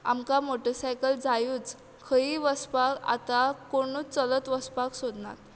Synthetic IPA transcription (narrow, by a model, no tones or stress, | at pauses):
a̰mkamoʈəɾsajkəld͡zajuːt͡s | kʰəiʋəspaka̰t̪akoɽ̃uːt͡sələt̪ʋəspaksod̪na̰t̪